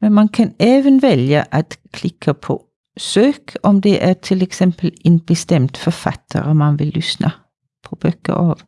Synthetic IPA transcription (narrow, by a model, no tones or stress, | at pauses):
mɛnmɑnkʰɑneːʋənʋɛljəʔɑt̪kʰlɪkʰːəpʰo̰ | søːkʰɔmd̪ɛʔæt̪ʰɪlɛksɛmpəleːnb̥əst̪ɛmt̪fɔfɑ̰t̪ʰə̰ɾəmɑnʋɪlːʏsnʔə | pʰɔb̥œkə̰ʔɑːʋ